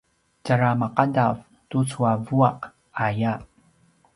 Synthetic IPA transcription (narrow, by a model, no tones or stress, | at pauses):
d͡ʒaɾamaqadav | tut͡suavuaq | aja